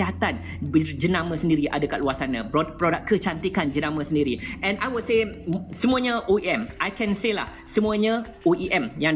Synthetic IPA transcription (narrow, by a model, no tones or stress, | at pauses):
iɦat̪an | bəd͡ʒənãmə̃səndiɾiʔa̰daka̰ʔluasanãpopɾodak̚kət͡ʃant̪ikand͡ʒənãmə̃səndiɾiʔɛ̃najwudsesəmũaɲãʔoiɛmʔajkɛ̃nsela̰h | səmũaɲã | oʔiʔɛmja